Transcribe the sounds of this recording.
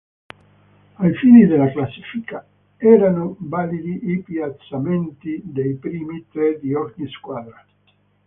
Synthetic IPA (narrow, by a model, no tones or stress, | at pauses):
ajfiːnid̪elaklasːiːfika | ɛːɾanovalid̪iʔːpjat̪sament̪id̪ejpɾiːmit̪ɾɛd̪iɔɾɲiskwaːd̪ɾa